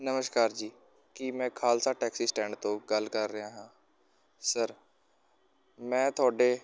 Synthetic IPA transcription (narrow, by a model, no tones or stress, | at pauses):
nəməʃkaːɾd͡ʒiː | kɪmɛ̃ːkʰaːlsaːʈɛːksiːsʈɛ̃ːɳɖt̪õːɡəlkəɾːəɦaːɦãː | səɾ | mɛ̃ːt̪ʰʊaːɖeː